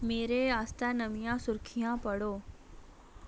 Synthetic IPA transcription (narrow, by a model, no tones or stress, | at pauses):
meːɾeaːst̪anəʋijãsʊɾkʰijãpəɽoː